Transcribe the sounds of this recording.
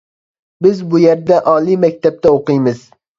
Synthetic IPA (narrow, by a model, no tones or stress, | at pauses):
bɪzbʊjeɾd̪aʔɒlˠimak̚ʲt̪ʰap̚t̪ʰaoqɨjmɪz̥